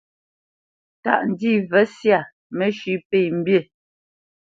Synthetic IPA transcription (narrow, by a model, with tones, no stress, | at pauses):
ta̰˨ʔn̩˨di˦˨vɛ˨˦sja˦˨ | mɛ˦˨ʃi˨˦pe˨m̩˦bje˦˨